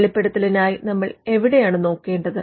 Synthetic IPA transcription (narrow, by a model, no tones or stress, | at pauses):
ɭipːeɽɐt̪ːilinaːjinɐmːɐɭe̞ʋiɽe̞jaːɳɨno̞ːkːe̞ːɳɖɐðɨ